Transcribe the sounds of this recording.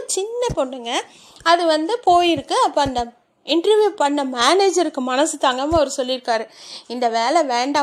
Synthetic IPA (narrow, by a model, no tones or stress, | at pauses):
t͡ʃɪnːɐpoːɳːɯŋɡɐ | ɐðɯʋɐnd̪ɯpoːjɪɾɯkːɯɐpːoːɐnd̪ɐ | ɪɳʈɾɐʋjuːpɐɳːɐmeːneːd͡ʒɐɾɯkːɯmɐnɐsɯt̪aːŋɡɐmɐʋɐɾɯsɔlːɪɾɯkːaːɾɯɪnd̪ɐʋeːlɛʋeːɳɖaː